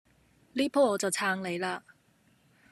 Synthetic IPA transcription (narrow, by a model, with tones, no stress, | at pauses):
liː˥pʰɔː˥ɔː˨˧t͡sɐ˨˩wt͡sʰaː˧ŋle˨˧jlaː˧